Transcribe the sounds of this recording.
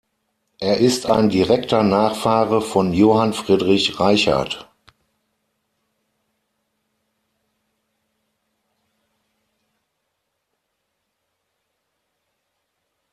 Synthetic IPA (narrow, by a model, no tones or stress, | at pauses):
ʔeːɐʔɪsta̰ɪndiʁɛktʰɐnaːχfaːʁɐfɔnjoːhanfʁ̥iːdʁɪçʁaɪça̰ɐt